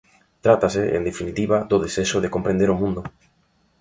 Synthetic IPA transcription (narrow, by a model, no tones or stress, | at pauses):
t̪ɾat̪asɪʔḛnd̪efinit̪iβaðoðeseʃoðekompɾẽnd̪eɾomũnd̪ʊ